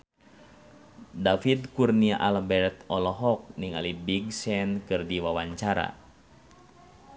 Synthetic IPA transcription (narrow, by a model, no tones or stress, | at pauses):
dafid̪kurniaʔalbɛrt̪ɔlɔɦɔk̚niŋa̰libiɡ̚sɛnkɨrdiwawaɲt͡ʃaɾa̰